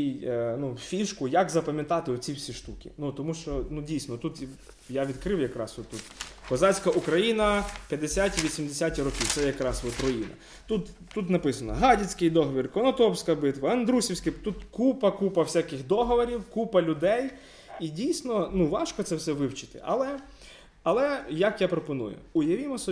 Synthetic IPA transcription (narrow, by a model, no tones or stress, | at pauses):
inufʲiʃkʊjakzɐpɐmʲɪt̪ɑt̪ɪɔt͡sʲiwsʲiʃt̪ukʲḭnut̪ɔmuʃt͡ʃɔnudʲijsnɔt̪ut̪ | jaʋʲid̪kɾɪwjɐkɾɑ̰sɔt̪ːut̪kɔzɑt͡sʲkɐʔukɾɐjinɐpʲjɐd̪esʲatʲiʋʲisʲimd̪esʲatʲiɾɔkʲiwt̪sɛjɐkɾɑsʋɔt̪ɾɔjinɐ̰ | t̪ut̪ːut̪nɐpɪsɐnɔ̰ɦɑdʲit͡sʲkɪjd̪ɔɦɔʋʲirkɔnɔt̪ɔwsʲkɐbɪt̪ʋɐɐnd̪ɾusʲiwsʲkɪt̪ut̪kupɐkupɐwsʲakɪxd̪ɔɦɔʋɔɾʲiwkupɐlʲʊd̪ɛj | idʲijsʲnɔnuʋɑʃkɔt̪sɛwsɛʋɪwt͡ʃɪ̥t̪ɪ̥̰ʔɐ̰lˠɛ | ɐlˠɛjɐkjapɾɔpɔnṵjʊ̰ʊjɐʋʲimɔsɔ